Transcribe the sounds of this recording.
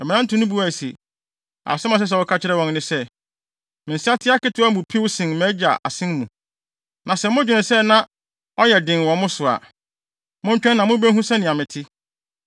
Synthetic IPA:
ɛ˨mɪ̃˨nã˦n̩˦tʰũ˨˦nʊ̃˦bu˦a˨sḭ˨ | a̰˨sɪ˦mã˨s̬ɛ˦s̬ɛ˨wɔ˦kʰa˦t͡ɕʰɪ˦ɾɛ˦wɔ̃˨nnɪ̃˦sɛ˦ | mɪ̃˨si˦a˦tʰɪ˦a˦kɪ˦tʰʊ˦a˦mʊ̃˨pʰi˦wsɪ̃˨nmɛ̃˨˦d͡ʑa̰˨ʔa̰˨sɪ̃˦nmũ˨ | nã˨sɛ˨mʊ̃˦d͡ʑᶣɪ˨nɪ̃˨sɛ˦nã˦ | ɔ˦jɛ˨dɪ̃˨n˨wɔ̃˨mʊ̃˦sʊ˨a̰˨ | mʊ̃˦ɲ̩˦t͡ɕᶣɛ̃˦nːã˨mʊ̃˦bæ˦ɦũ˦sɛ̃˦nɪ̃˨a˨mɪ̃˨tʰɪ˦

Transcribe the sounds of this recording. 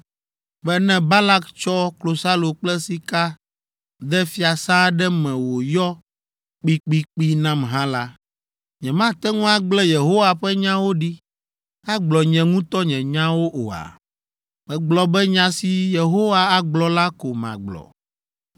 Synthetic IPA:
bɛ˦nɛ̃˦ba˦la˦kt͡ʃɔ˦klo˨sa˦lo˨k͡plɛ˦si˦ka˦ | d̪ɛ˦fi˦a˨sã˦ɖɛ˦mɛ̃˨wo˨jɔ˦ | k͡pi˦k͡pi˦k͡pi˦nã˦mɦã˦la˦ | ɲɛ̃˨mã˦t̪ɛ˦ŋũ˦a˦ɡ͡blɛ˦je˨ɦo˦wa˨ɸɛ˦ɲã˦wo˦ɖi˦ | a˦ɡ͡blɔ˨ɲɛ̃˨ŋũ˦t̪ɔ˦ɲɛ̃˨ɲã˦wo˦ʔo̰˨a̰˨ | mɛ̃˨ɡ͡blɔ˨bɛ˦ɲã˦si˨˦je˨ɦo˦wa˦a˦ɡ͡blɔ˨la˦ko˨mã̰˨ɡ͡blɔ̰˨

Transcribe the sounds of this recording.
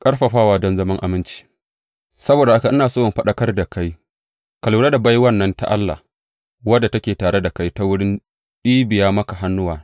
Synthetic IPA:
kʼɐ˦ɽɸɐ˨ɸaː˦waː˦dɔ˦nzɐ˦mɐ˦ŋʔa̰˨mɪ˦nt͡ʃi̥˦ | sɐ˦boː˨da˨ha˦ka˨ʔɪ˦naː˨soː˦ʔʊ˨mɸɐ˦ɗɐ˦kɐ˦rda˨ka˦j | kɐ˨luː˨ɾa˦da˨ba˦jwɐ˦nːɐ˦nta̰˦ʔa̰˦lːa̰˨ | wɐ˦dːa˨tɐ˦kʲeː˨taː˨ɽe˦da˨ka˦jta˦wʊ˦ɽɪ˦n | ɗiː˦bɪ˨jaː˦mɐ˦ka˨ɦa˦nːʊ˦waː˨

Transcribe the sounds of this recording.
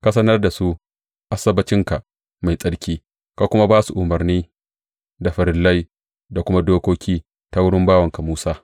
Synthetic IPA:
ka˦s̬ɐ˦nɐ˦rda˨su˦ | ʔa˦sɐ˦bɐ˦t͡ʃɪ˦ŋka˨ʔ | ma˨jsʼɐ˦ɽkʲiː˦ | ka˨kʷʊ˦ma˦baː˦su˨ʔʊ˨mɐ˨rniː˦ | da˨ɸɐ˨ɾɪ˨lːa˦j | da˨kʷʊ˦ma˦doː˦kʷoː˦kʲiː˦ | ta˦wʊ˦ɽɪ˦mbaː˦wɐ˨ŋka˨muː˦saː˦

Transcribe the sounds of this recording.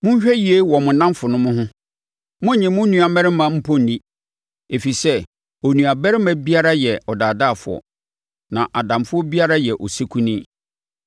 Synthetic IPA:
mʊ̃˦ɲ̩˦ɕᶣɛ˦ji˨e˦wɔ˨mʊ̃˨nã˦m˦fʊ˨nʊ̃˦mʊ̃˦ɦʊ̃˦ | mʊ̃˦ɲɪ̃˨mʊ̃˦nũ˦a˨mɛ˦ɾɪ˦mã˦m̩˦pʰɔ̃˦n˨nĩ˦ | e˨fi˨sɛ˦ | o˨nũ˨a˨bɛ˦ɾɪ˦mã˦bi˦a˦ɾa˦jɛ˨ɔ˨daː˨da˦˨fʊ̰˨ɔ̰˨ | nã˨ʔa˨dã˨mfʊ˦ɔ˦bi˦a˦ɾa˦jɛ˨ʔɔ˨si˦kʰũ˦nĩ˦

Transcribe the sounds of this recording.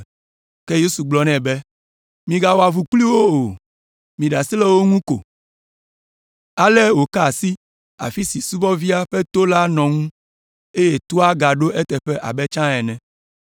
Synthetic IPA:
kɛ˦je˦su˨ɡ͡blɔ˨nɛ̃˨bɛ˦ | mĩ˨ɡa˨wɔ˨a˨vu˨k͡pli˦wo˦o˨ | mĩ˨ɖa˨si˦lɛ˦wo˦ŋũ˦ko̰˨ | a˨lɛ˦wo˨ka˦˨si˦ | a̰˨fi˦si˨su˦vɔ˦vi˦a˦ɸɛ˦t̪o˦la˦nɔ̃˨ŋũ˦ | e˦je˨t̪o˦a˦ɡa˨ɖo˦ʔɛ˦t̪ɛ˨ɸɛ˦ʔa̰˨bɛ˦t͡ʃã˦ɛ˨nɛ̃˨

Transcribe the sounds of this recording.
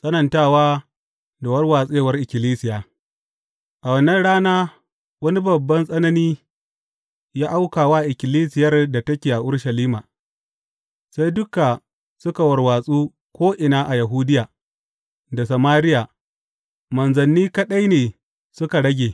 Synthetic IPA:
sʼɐ˦nɐ˨ntaː˦˨waː˦ | da˨wɐ˦rwaː˨sʼeː˦wɐ˦rʔɪ˨kʲɪ˨liː˦sɪ˨jaː˨ | ʔa˨wɐ˨nːɐ˦nɽaː˦naː˦ | wɐ˦ni˦bɐ˨bːɐ˦nsʼɐ˦nɐ˦niː˦ | jaː˦ʔa˦wkaː˨waː˦ʔɪ˨kʲɪ˨liː˦sɪ˨jɐ˦rda˨tɐ˦kʲeː˨ʔa˨ʔʊ˦ɽʃɐ˨liː˦ma˨ | sa˦jdʊ˦ka˨ | sʊ˦ka˨wɐ˨rwaː˨sʼuː˦ | kʷoː˦ʔɪ˨naː˦ʔa˨ja˨ɦu˦dɪ˦jaː˨ | da˨s̬ɐ˨maː˦ɾɪ˦jaː˨ | mɐ˨nzɐ˨nːiː˦kɐ˦ɗɐ˦jneː˨ | sʊ˦ka˨ɽɐ˦ɡʲeː˨

